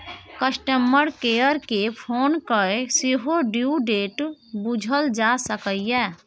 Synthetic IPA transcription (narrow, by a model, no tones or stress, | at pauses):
kəsʈəmːəɾkejəɾkepʰonkəesiɦoɖjuɖeʈbud͡ʒʱəld͡ʒasəkəjɛ